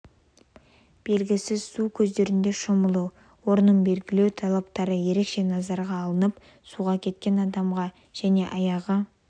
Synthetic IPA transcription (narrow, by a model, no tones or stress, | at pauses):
b̥e̞lɡʲɪsɪz̥sukʲʰɵzd̪e̞ɾɪnd̪e̞ʃʊməlˠu | wo̞ɾnəɴbe̞lɡʲɪle̞wt̪ʰɑlˠɑpt̪ɑɾəje̞ɾe̞kʃe̞nɑzɑɾʁɑːlˠənəp | suʁɑkʲʰe̞t̪̚kʲe̞nɑd̪ɑmʁɑ | ʒ̥æne̞ʔɑjɑʁə